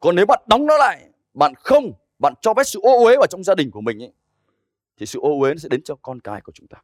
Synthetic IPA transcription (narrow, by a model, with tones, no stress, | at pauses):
kɔ˨˩nːe˨˦wɓa̰ː˧˨nɗɔ˨˦wŋ͡mnɔ˨˦la̰ː˧˨j | ɓa̰ː˧˨nxə˧wŋ͡m | ɓa̰ː˧˨nt͡ɕɔ˧fɛ˦˥p̚sɨ̰˧˨ʔo˧ʔwe˨˦vaː˨˩wt͡ɕɔ˧wŋ͡mzaː˧ɗï˨˩ŋ̟ku˧˩əmï˨˩ŋ̟ʔa˨˦ | t̪ʰi˨˩sɨ̰˧˨ʔo˧we˨˦nɔ˨˦sɛ̰˧˥ɗe˨˦nt͡ɕɔ˧kɔ˧nkaː˨˦jku˧˩ət͡ɕʊ˨˦ŋ͡mt̪aː˧